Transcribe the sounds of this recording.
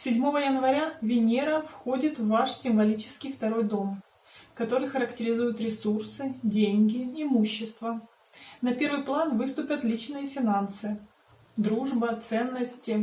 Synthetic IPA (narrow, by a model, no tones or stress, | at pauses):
sʲɪdʲmo̞vəjənvɐɾʲavʲɪnʲeɾəfxo̞dʲɪt̪vːaʂsʲɪmvɐlʲit͡ɕɪ̥skʲɪjft̪ɐɾo̞jd̪o̞m | kɐt̪o̞ɾɨjxəɾəktʲɪɾʲɪzujʊt̪ɾʲɪsursɨdʲenʲɡʲɪɪmuɕːɪst̪və | nɐpʲe̞ɾvɨjplˠanvɨst̪ʊpʲət̪lʲit͡ɕnɨjəfʲɪnansɨ | d̪ɾuʐbət̪sɛnːəsʲtʲɪ